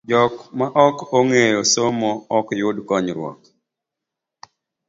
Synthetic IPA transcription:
d͡ʒɔkmaʔɔkoŋejosomɔɔkjʊdkɔɲɾwɔ̰k̚

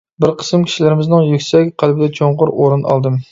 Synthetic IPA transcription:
bɪɾqʰə̥smkʲʰi̥ʃilɪɾɪmɪznɪŋjykʲsɛkʲqʰælbɪd̪ɛt͡ʃʰoɴqʊɾʔoɾɨnʔɑ̰lˠd̪ɨm

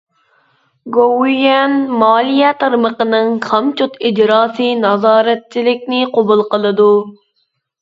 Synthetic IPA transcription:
ɡowijɛnmɑːlˠijɛt̪ʰɑɾməqənɨŋχʰɑmt͡ʃut̪id͡ʒɾɑːsɨnɑzɑːɾɛt̪̚t͡ʃʰːilɪkʲnɪqobulˠqəlˠɨd̪u

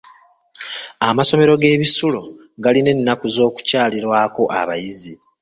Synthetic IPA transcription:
amaso̞me̞ɾo̞ɡe̞ːβisulo | ɡaline̞nːakuzo̞ːku̥caːliɾwaːko̞ʔa̰βa̰jizi

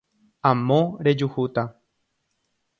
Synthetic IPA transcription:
ãmõɾe̞d͡ʒuhut̪a

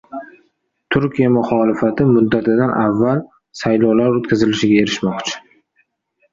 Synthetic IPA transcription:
t̪ʰʊɾkʲijamʊχɒlɪfat̪ʰɪmʊd̪ːat̪ʰɪd̪anʔavːal | sajlɒwlaɾot̪kʲʰazɪlɪʃɪɡʲae̞ɾɪʃmɒqt͡ʃʰɪ̥

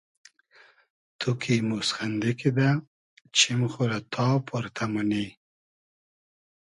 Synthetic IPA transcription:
t̪ʰukʰimusxand̪ɪkid̪a | t͡ʃʰɪmxolat̪ʰɑːpʰʊɾt̪ʰamani

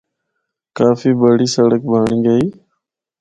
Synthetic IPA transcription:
kaːfiːbəɽiːsəɽək̚bʱaːɳĩːɡəiː

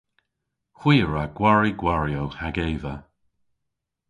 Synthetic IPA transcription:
xw̥iːəɹaɡ̥waɹiɡwaɹjowhaɡeːvə

